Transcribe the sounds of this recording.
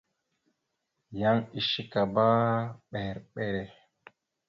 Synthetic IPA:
ja˦ŋi˨ʃi˦ka˨ba˦ɓe˨ɾɓɛ˦ɾe˨

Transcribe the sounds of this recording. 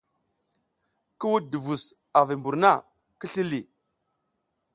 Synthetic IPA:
kə˦wu˦du˨vu˨s | a˨vi˨mbu˨ɾna˦˨ | kə˦ɬi˦li˨

